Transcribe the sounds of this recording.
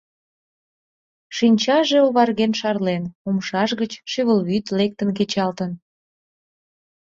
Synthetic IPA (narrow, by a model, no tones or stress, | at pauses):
ʃinʲt͡ɕɑʒeoβɑrɣenʃɑrlenomʃɑʃɣət͡ɕʃyβəlβyt̪lek̚t̪ənk̬et͡ɕɑlt̪ən